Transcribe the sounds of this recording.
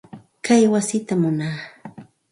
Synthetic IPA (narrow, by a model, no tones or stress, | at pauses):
kajwasɪt̪amʊnaː